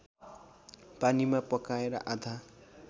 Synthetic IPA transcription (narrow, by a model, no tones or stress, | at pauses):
panimapʌkaeɾʌ̰ʔad̪ʱa